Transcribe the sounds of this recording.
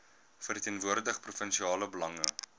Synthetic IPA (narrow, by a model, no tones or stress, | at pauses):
fəritiənvuərdəχprufənʃiɑːləbəlɐŋə